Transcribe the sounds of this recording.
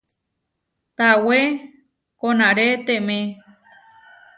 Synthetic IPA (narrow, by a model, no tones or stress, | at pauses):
t̪awe | konãɾet̪emẽ